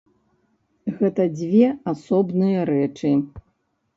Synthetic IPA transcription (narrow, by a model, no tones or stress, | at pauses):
ɣɛt̪ɐd͡zʲvʲɛasɔbnɨjɐɾɛt͡ʂɨ